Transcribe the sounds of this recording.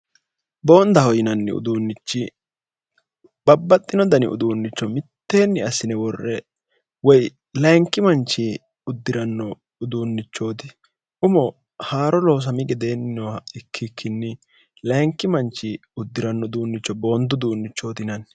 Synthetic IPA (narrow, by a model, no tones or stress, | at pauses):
bo̞ːnd̪ɐhɔjɪnɐnːɪ̰ʊ̰d̪uːnːɪt͡ʃːɪ | b̥ɐbːɐt̪ʼːɪnɔd̪ɐnɪ̰ʊ̰d̪uːnːɪt͡ʃːɔmɪt̪ːe̞ːnːɪɐsɪnɛwɔrːɛ | wɔj | lɐŋkːɪmɐnt͡ʃːɪ | ʊd̪ːɪɾɐnːɔ | ʊd̪uːnːɪt͡ʃːo̞ːt̪ɪ̥ | ʔʊmɔ | haːɾɔlo̞ːs̬ɐmɪɡɛd̪e̞ːnːɪnɔɐɪkʰːɪkʰːɪnːɪ | lɐŋkːɪmɐnt͡ʃːɪʊd̪ːɪɾɐnːɔd̪uːnːɪt͡ʃːɔbo̞ːnd̪ʊd̪uːnːɪt͡ʃːo̞ːt̪ɪnɐn